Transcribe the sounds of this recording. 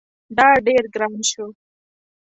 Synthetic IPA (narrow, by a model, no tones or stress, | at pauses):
ɖ̪aːɖeɾɡɾanʃo